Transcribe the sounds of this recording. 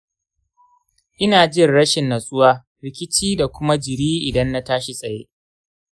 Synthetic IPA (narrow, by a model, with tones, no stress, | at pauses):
ʔɪ˦naː˨d͡ʒɪ˦˨rɽɐ˦ʃɪ˨nːɐ˨sʼʊ˦waː˦ | ɾɪ˦kʲɪ˦t͡ʃiː˦da˨kʷʊ˦ma˦d͡ʒɪ˨ɽiː˦ʔɪ˨dɐ˦nːa˦taː˦ʃi˨sʼɐ˨jḛː˦